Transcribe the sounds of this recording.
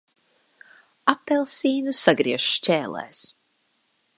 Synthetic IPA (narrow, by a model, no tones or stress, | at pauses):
apːɛlˠsiːnusaɡɾiɛʒ̥ʃt͡ʃʲɛːlˠɛ̰ːs